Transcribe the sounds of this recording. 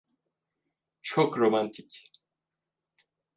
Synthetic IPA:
t͡ʃʰokɾo̞mant̪ʰic

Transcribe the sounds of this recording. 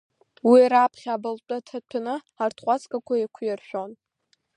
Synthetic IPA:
wiɾapʰχʲabalt͡pʷʼatʰatʷʰanɨ | artʰχʷat͡skʼakʷʰajikʷʰʊjarʃᶣon

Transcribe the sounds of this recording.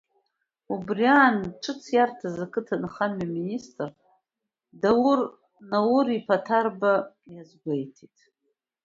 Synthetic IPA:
ubriaːnʈ͡ʂʰɨt͡sʰjartʰazakʰʼɨtʰanɨχanmaministʼr | dawʊr | nawʊɾipʰatʰarba | jazɡʷejtʰitʼ

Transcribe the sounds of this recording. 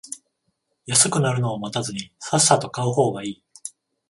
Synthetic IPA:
jasɨkɯ̟naɾɯ̟no̞ːmat̪azɨɲ̟isasat̪o̞kaɯ̟ho̞ːɡaiː

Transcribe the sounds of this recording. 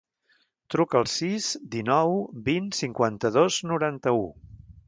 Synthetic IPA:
t̪ɾukəːlˠsizd̪inɔwbinsiŋkwant̪əðoznuɾant̪əu

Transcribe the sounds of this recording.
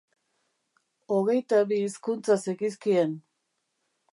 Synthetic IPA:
o̞ɣ̞e̞jt̪aβiːskunt͡sasekis̬kien

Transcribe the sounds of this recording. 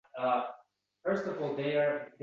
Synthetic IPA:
ʌ | fɜ˞stʌvɔlˠðe˞ð

